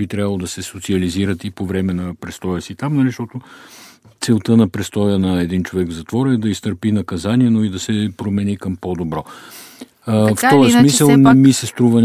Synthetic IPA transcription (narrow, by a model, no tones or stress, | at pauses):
bit̪ɾʲabəlˠod̪ɐsɛsot̪siɐliziɾət̪ipovɾɛmɛnɐpɾɛst̪ɔjəsit̪amnɐliʃt̪ɔt̪o | t̪sɛlˠt̪ənɐpɾɛst̪ɔjənɐɛd̪int͡ʃovɛɡvzɐt̪vɔɾɛd̪ɐist̪əɾpinɐkɐzaniɛnoid̪ɐsɛpɾomɛnikɐmpod̪obɾɔ | ft̪ɔjəsmisəlˠnɛmisɛst̪ɾuvən